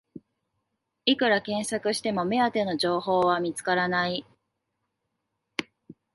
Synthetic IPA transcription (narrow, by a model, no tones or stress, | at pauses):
ikɯ̟ɾakẽ̞ɰ̃sakɯ̟ɕi̥t̪e̞mo̞me̞at̪e̞no̞ʑo̞ːho̞ːβamʲit͡sɨ̥kaɾanai